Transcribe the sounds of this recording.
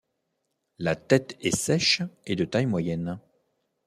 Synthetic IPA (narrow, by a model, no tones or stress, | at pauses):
lat̪ɛt̪ɛsɛʃed̪ət̪ajmwajɛn